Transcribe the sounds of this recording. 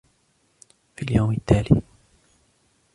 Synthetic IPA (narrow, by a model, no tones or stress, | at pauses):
fiːljawmɪt̪ʰːaːlḭ